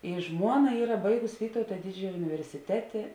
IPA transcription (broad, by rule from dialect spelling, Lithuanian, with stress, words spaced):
ɪ ˈʒmuɔˌnɐ ˈiːrɐ ˈbɐɪɡʊs ˈʋʲiːtɐʊtɐ ˈdʲɪd͡ʒʲɛjɛ ʊnʲɪʋʲɛrʲsʲɪˈtʲæːtʲeː